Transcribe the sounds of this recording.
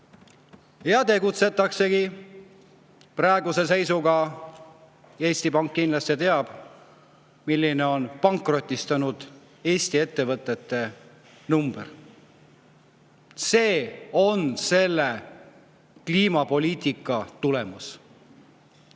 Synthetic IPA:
jɑt̪e̞ɡut̪se̞t̪ːˑɑkse̞ki | prɑˑeɡuse̞se̞jsuɡɑ | e̞ːsʲt̪ipɑŋkːinlɑst̪et̪e̞ɑb̥ | milʲːine̞o̞npɑŋkˑro̞t̪ʲːˑist̪ɑnud̪̥ | eːsʲt̪ie̞t̪ːe̞vɤt̪ːˑe̞t̪ːe̞ | numb̥ḛr | se̞ːo̞nse̞lːe̞ | kliːmɑpo̞lʲiːt̪ʲˑikːˑɑt̪ule̞mus

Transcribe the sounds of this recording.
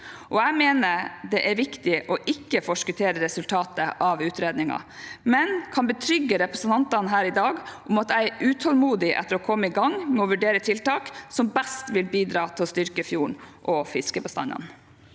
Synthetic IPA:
ʔɔæɪmeːnəɾd̪ɛʔæɾʋɪkt̪ɪʔɔʔɪkːəfɔʂkʉt̪ʰeːɾəɾɛsʉlt̪ʰɑːt̪əʔɑʋʉːt̪ɾeːd̪nɪŋɑ̰mɛnkʰɑnbət̪ʰɾʏɡːəɾɛpɾɛsən̩t̪ʰɑnt̪ɑnɦæːɾɪd̪ɑːɡʔʊmɑt̪æɪʉːt̪ʰɔlmuːd̪ɪʔɛ̰t̪ːəɾɔkʰɔmːəɪɡɑŋmɛɔʋʉɖeːɾət̪ʰɪlt̪ɑːksɔmbæst̪ʋɪlbiːd̪ɾɑːt̪ʰɪlst̪ʏɾkəfjuːɳʔɔfɪskəbəst̪ɑ̰nɑ̰n

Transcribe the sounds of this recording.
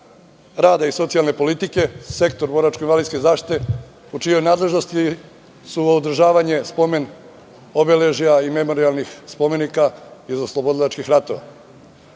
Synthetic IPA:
ɾaːd̪aiso̞t̪sijalne̞po̞lit̪ike̞se̞kt̪o̞ɾbo̞ɾat͡ʃkoinʋalid̪skezaːʃt̪i̥t̪e̞ | ut͡ʃijo̞jnaːd̪le̞ʒno̞st̪i | suoud̪ɾ̩ʒaːʋaɲe̞spo̞me̞n | obeleʒijaime̞mo̞ɾialˠnixspo̞me̞nikaizoslˠobo̞d̪alat͡ʃkixɾat̪o̞ʋa̰

